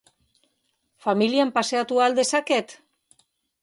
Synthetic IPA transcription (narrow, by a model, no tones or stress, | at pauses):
familjampaseat̪uald̪esaket̪